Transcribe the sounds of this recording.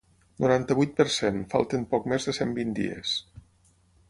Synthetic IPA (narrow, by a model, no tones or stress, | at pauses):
nʔuɾant̪əβujt̪̚pəɾsenfa̰lˠt̪əmpɔkmezðəsembind̪ḭḛs